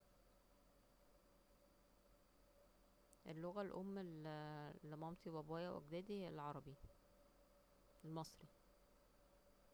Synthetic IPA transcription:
ʔelːoɣælʔomːellːemɑmt̪ibæbæːjæwʔæ̰ɡd̪æːd̪ielʕɑɾˤɑbi | elmɑsˤɾi

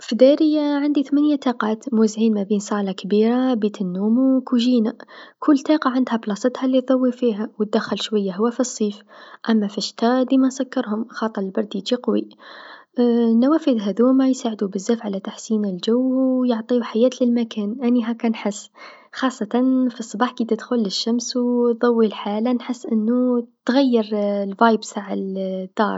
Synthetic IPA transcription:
fid̪æɾəjaʕand̪it̪mænjat̪ɑqɑːt̪muzʕiːnmæbiːnsˤɑʕlakbiɾabit̪ənːuːmukuʒiːnakʰʊlːt̪ˤiqɑʕand̪hæblɑsˤət̪hælːiðˤɑwːifiɦæwət̪̚d̪æxːəlʃwæjːaɦʊwːæfisˤːiːfʔæmːæfæʃt̪æd̪imænsækːəɾhʊmxɑt̪ˤːɑɾəlbɑɾˤd̪id͡ʒiqwi | næwæfid̪ɦæd̪umajsaːʕəd̪ubəzːæfʕalæt̪aħsiːnəlʒæwːjoʕt̪ˤiuħajæːt̪ləlmækæːnʔæniɦækːænħəsː | xɑsˤːɑt̪ɑnfisˤːɑbɑːħkid̪əd̪xʊlːəʃːæmswðˤɑwːilħaːlanħəsːʔənːut̪ɣæjːəɾlvajbt̪aʕald̪ɑːɾˤ

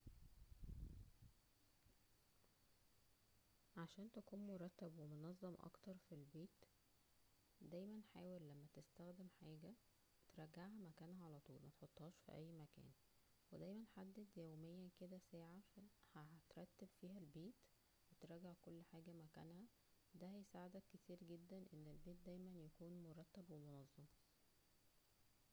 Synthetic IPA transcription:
ʕaʃæːnt̪ækuːnmoɾˤɑt̪ːæbwemonɑzˤːɑmʔɑ̰kt̪ɑɾˤfilbeːt̪ | d̪æjmænħaːwelːæmːæt̪est̪æxd̪emħaːɡæ | wet̪ɾˤɑɡːaʕɦæmækæːnhæʕalæt̪ˤuːlmɑt̪ħot̪ˤːhɑːʃfḭʔæjːmækæ̰ːn | wed̪æjmænħad̪ːed̪jæwmejːæked̪æsæːʕaæhæt̪ɾˤɑt̪ːebfiːɦælbeːt̪ | wet̪ɾˤɑɡeʕkolːħaːɡæmækæ̰nhæ | d̪æhæjsaːʕed̪ækːet̪iːɾɡed̪ːænʔenːelbeːt̪̚d̪æjmænjækuːnmoɾˤɑt̪ːæbwemonɑzˤːem

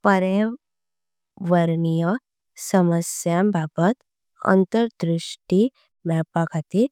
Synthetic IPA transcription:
pəɾe | ʋəɾɳijə | səməsjãmbʱabət̪ | ə̰nt̪əɾd̪ɾuʂʈi | mɛpakʰat̪i

